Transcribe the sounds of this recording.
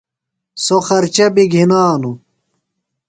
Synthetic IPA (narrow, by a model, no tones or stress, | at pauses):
soxɐɾt͡ɕɐbiɡʱinaːnu